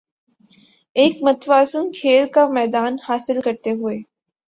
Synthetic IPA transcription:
eːkmɐt̪ʋaːsənkʰeːlkamɛːd̪aːnhaːsɪlkɐɾt̪eɦʊeː

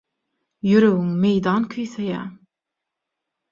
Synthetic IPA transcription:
jøɾøwyŋmejd̪ɑːnkʲʰøjθejæː

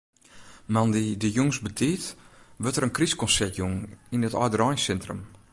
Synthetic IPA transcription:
mandidəjuŋsbədʰiːtʋøtəɾənkriskɔnsɛrtjuŋinətɔjdəɾɔjnsɛntrəm

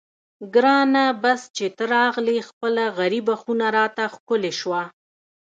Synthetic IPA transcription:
ɡɾɑnabast͡ʃet̪əɾɑɣlexpəlaɣaɾibaxunaɾɑt̪axkʊleʃwa

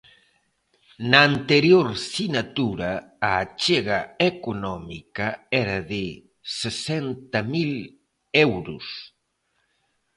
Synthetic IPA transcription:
naːnt̪eɾjoɾsinat̪uɾa | aːt͡ʃeɣaekunɔmikaɛɾaðe | sesɛnt̪ɐmil | ɛwɾus

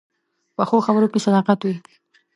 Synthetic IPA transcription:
pəxoxabɾokesad̪ɑqat̪wi

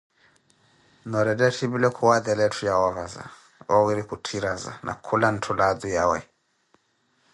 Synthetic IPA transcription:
nɔɾɛdɛtʰiβilɛkʰuwaðɛlɛtʰujawɔɣaza̰ | ɔɣiɾikutʰiɾaza̰nʔa̰kʰulan̩tʰulad̪ujawɛ̰

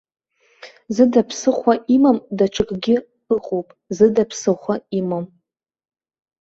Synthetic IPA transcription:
zɨdapʰsɨχʷaʔimamdaʈ͡ʂʷʰɨkʼɡʲɪ | ɨqʼowpʼzɨdapʰsɨχʷaimam

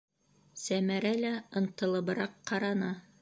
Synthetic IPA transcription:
sæmæɾælæɤ̆nt̪ɤ̆lˠɤ̆βɤ̆ɾɑqːɑɾɑnɑ

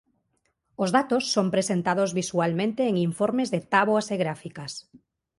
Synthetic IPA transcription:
ozðat̪osːompɾesent̪aðozβisualmẽnt̪eːŋiɱfoɾmezðet̪aβoaseɣɾafikas

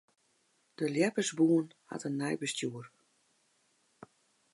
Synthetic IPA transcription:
d̥əljɛpəsbuənha̰tənːajbəstjuər

